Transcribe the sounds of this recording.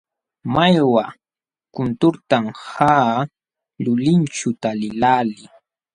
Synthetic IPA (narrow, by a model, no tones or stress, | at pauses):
majwa | kʊnt̪ʊɾt̪amhaː | lʊlɪnt͡ʃʊt̪alɪlaːlɪ